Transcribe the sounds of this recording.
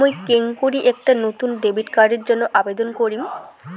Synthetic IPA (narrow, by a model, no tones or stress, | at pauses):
ojkeŋkoɾiʔek̚ʈanot̪unɖebiʈkaɾɖeɾd͡ʑonːoʔabed̪onkoɾim